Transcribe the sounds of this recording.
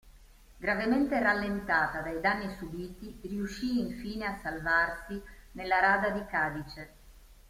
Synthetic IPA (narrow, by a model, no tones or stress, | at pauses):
ɡɾavement̪eralːent̪aːt̪ad̪ajd̪anːisubiːt̪iriuʃːiːɱfiːneasːalvarsinelːaɾaːd̪ad̪ikaːd̪it͡ʃe